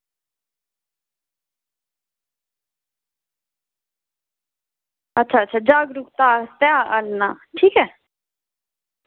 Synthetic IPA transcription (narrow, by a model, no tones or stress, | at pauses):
ɐtːʃʰaːət̪ːɕʰaːd͡ʑaːɡɾukt̪aːt̪jãʔənːaʈʰiːkɦɛː